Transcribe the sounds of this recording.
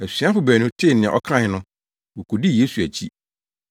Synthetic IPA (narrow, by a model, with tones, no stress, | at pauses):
æ˨sɥa˦fʊ˨bæː˨nʊ̃˦tʰɪ˦˨nɪ̃˨ɛ̰̃˨ʔɔ̰˦kʰɾã˦˨ɪ˨˦nʊ̃˦ | wo˨kʰo˨di˦˨je˦su˨æ˨t͡ɕʰi˦